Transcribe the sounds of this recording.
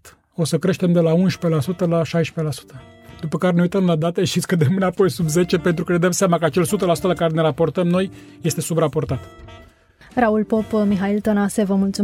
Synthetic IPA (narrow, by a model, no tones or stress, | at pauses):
t̪ | o̞səkɾe̞ʃt̪e̞md̪e̞launʃpe̞lasut̪əlaʃajʃpe̞lasu̥t̪ə | d̪upəkaɾeneujt̪əmlad̪at̪e̞ʃt̪isʲkəd̪emɨnapo̞jsubze̞t͡ʃe̞pe̞nt̪ɾukəned̪əmseamakəat͡ʃe̞lsut̪əlasut̪əlakaɾe̞ne̞ɾapo̞rt̪əmno̞j | je̞st̪e̞subɾapo̞rt̪at̪ | raulpo̞pmiɦailt̪onasevəmult̪su